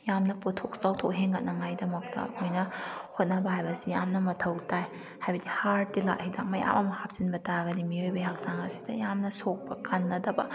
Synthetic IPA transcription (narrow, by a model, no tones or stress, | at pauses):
jamnɐpotʰok̚zawtʰok̚ɦeŋɡɐt̚nɐŋajdɐmɐk̚tɐ̰ɐ̰kʰojnɐhot̚nɐbɐɦajbɐsijamnɐmɐtʰɐwtaj | hajbɐdihaɾtila̰k̚hidak̚mɐja̰mʔɐmɐhap̚sinbɐtaɡɐdimiojbɐjak̚saŋɐsi̥dɐjamnɐsok̚bɐkʰanːɐdɐbɐ